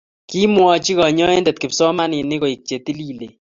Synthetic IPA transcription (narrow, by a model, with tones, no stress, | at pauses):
ki˦mwɔ˦t͡ʃi˦ɣɔ˨ɲɔ˦ɛ˦ndɛ˨t̪̚kɪ˨psɔ˦ma˦nɪ˨nɪ˦ko˨i˨k̚t͡ʃe˨t̪i˦li˦lḛ˨